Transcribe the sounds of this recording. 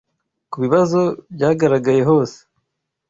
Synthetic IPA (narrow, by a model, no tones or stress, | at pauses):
kuβiβazo̞bjaːɡaɾaɡaje̞ɦo̞ːse̥